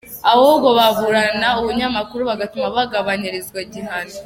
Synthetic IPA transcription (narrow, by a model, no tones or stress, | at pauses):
awoɡoβaβuɾanauβuɲamakuɾuβaɡatumaβaɡaβaɲiɾezɡwaɟiɦani